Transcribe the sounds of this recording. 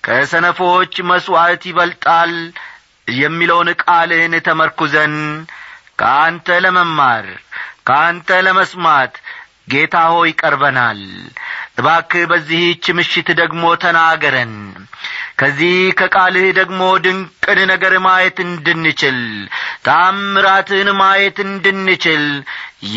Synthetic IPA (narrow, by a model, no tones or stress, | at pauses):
kʰəsənəfoot͡ʃːməswat̪jɪβəlt̪ʼal | jɛmːiləwnkʼalɨnt̪ʰəməɾkuzən | kʰəʔant̪ʰələməmːaɾkʰəant̪ʰələməsmat̪ | ɡe̞t̪ʰaho̞jɪkʼəɾbənalʔɨβakɨbəzːiht͡ʃːɪmɨʃɪt̪d̪əɡmo̞t̪ʰənaɡəɾən | kʰəzːihkʰəkʼalɨhd̪əɡmo̞d̪ɨŋkʼɨnnəɡəɾmajɛt̪ɨnd̪ɨnːɨt͡ʃɪlt̪ʼamːɨɾat̪ɨnmajɛt̪ɨnd̪ɨnːɨt͡ʃɪl